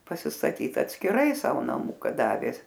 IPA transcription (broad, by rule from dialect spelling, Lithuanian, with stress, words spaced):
pɐsʲɪstɐˈtʲiːt ɐtʲsʲkʲɪˈrɐɪ ˈsɑːʋoː nɐˈmʊkɐ ˈdɑːʋʲeː